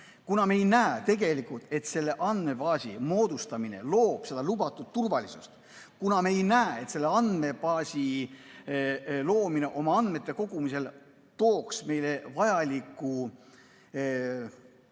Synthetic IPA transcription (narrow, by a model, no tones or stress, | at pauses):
kunɑmejnæːt̪e̞ɡ̥e̞likult̪e̞t̪se̞lːe̞ʔɑnd̪̥me̞pɑːsʲḭmo̞ːd̪ust̪ɑmine̞̰lo̞ːb̥se̞d̪̥ɑlubɑt̪ːˑud̥̪̚t̪ːurvɑlisust̪ | kunɑmeejnæːet̪se̞lːeɑnd̪me̞bɑːsʲi | lo̞ːmine̞ʔo̞mɑɑnd̪̥me̞t̪ːˑe̞ko̞ɡ̥umise̞l | t̪o̞ːksme̞jle̞vɑjɑlikːˑu